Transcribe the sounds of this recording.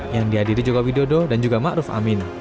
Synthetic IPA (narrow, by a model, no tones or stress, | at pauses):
jaŋdiɦadiɾid͡ʒoɡawideododand͡ʒuɡamaʔɾʊfa̰mɪn